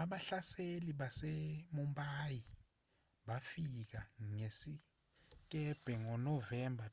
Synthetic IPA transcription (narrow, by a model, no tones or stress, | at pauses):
aɓaɬaseliɓasemumbʼaji | ɓafik̬aŋesi | k̬ʼɛb̥ʱɛŋɔnɔvɛmbʱa